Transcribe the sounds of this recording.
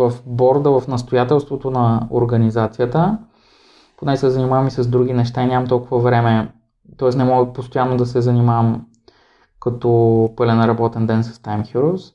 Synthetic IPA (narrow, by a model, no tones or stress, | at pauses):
vɐfbɔɾd̪əvɐfnɐst̪ojat̪ɛlˠst̪vot̪onɐo̰ɾɡɐnizat̪sijət̪ə | ponɛsɛzɐnʲimavɐmisɐzd̪ɾuɡ̟ʲinɛʃt̪ainʲamɐmt̪ɔlˠkʊvɐvɾɛmɛ | t̪ɔɛsnɛmɔɡəpost̪ojanːod̪ɐsɛzɐnimavɐm | kɐt̪ɔpɤlʲɛnɾɐbɔt̪ɛnd̪ɛnsɐ̥st̪ajmxuɾos